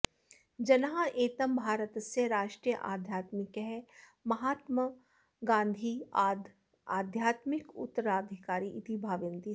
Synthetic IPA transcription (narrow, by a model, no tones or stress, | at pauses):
d͡ʒɐnɦaʔeːt̪əmbʱaːɾət̪seɾaːʃʈɾijəʔaːd̪ʱjaːt̪mɪkɦɛmɐɦaːt̪mə | ɡãːnd̪ʱiː | aːd̪ʱjaːt̪mɪkʊ̰t̪ːəɾaːd̪ʱɪkaːɾiʔɪt̪ibʱaːʋɪnt̪i